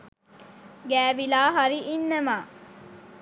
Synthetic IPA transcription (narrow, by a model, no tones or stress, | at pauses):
ɡæːʋilaːɦaɾiʔinːɐmaː